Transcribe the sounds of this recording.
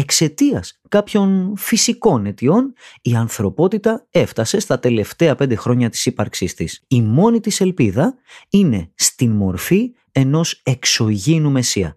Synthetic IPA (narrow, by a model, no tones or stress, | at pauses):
e̞kse̞t̪iɐskɐpço̞nfisiko̞ne̞t̪io̞niɐnθɾo̞po̞t̪it̪ɐe̞ft̪ɐse̞st̪ɐt̪e̞le̞ft̪e̞ɐpe̞nd̪e̞xɾo̞ɲɐt̪i̥sipɐɾksist̪isimo̞nit̪ise̞lpiðɐ | ine̞st̪inmo̞ɾfi | e̞no̞se̞kso̞ʝinume̞siɐ̰